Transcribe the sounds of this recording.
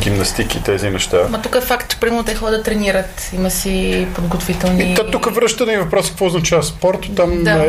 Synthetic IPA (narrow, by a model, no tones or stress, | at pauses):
ɡimnɐst̪ikit̪ɛzinɛʃt̪amɐt̪ukəɛfakt̪pɾʲimɛlˠnot̪ɛzixɔɡəd̪ɐt̪ɾɛniɾət̪ | imɐsipod̪ɡot̪ovit̪ɛlˠnit̪ɔt̪ukəvɾəʃt̪əd̪ivɐpɾɔsi̥kəkvɔʊznɐt͡ʃavɐspɔɾt̪ʊ̥t̪am